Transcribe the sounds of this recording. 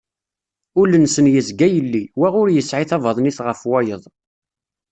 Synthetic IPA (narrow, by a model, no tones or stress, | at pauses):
ʊlənsənjəzɡæjəlːiwæʁʊɾjəsʕiθɑvɑðˤniθʁəfwɑjəðˤ